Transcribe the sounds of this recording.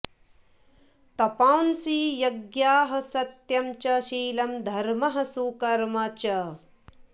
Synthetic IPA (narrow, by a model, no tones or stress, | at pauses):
t̪ɐpaːwnsiːjɐɡjaːɦɐ̆sɐt̪jɐmt͡ʃɐʃiːlɐmd̪ʱɐɾmɐɦɐ̆sukɐɾmɐt͡ʃɐ